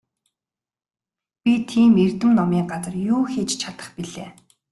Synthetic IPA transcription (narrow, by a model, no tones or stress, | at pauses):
pʲit̪ʰiːmer̥t̪ɘ̆mnɔmiːɢat͡sə̆rjuːxet͡ɕt͡ɕʰat̪ə̥̆χpiɮeː